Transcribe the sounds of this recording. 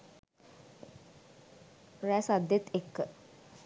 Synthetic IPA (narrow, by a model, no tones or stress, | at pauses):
ɾæsad̪jet̪ekːə